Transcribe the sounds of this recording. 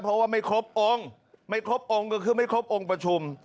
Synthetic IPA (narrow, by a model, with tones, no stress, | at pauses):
pʰɾɔ˦˥waː˥˩ma˥˩jkʰɾo˦˥p̚ʔo˧ŋ | ma˥˩jkʰɾo˦˥p̚ʔo˧ŋkɔ˧˩kʰɯː˧˩ma˥˩jkʰɾo˦˥p̚ʔo˧ŋpɾa˧t͡ɕʰu˧m